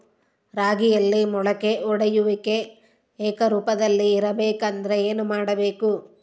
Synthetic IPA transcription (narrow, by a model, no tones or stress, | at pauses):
ɾaːɡijɐlːimɔɭɐkeʔɔɽɐjuʋike̞ | eːkɐɾuːpɐd̪ɐlːiːɾɐbeːkɐnd̪ɐɾeeːnumaːɽɐbeːku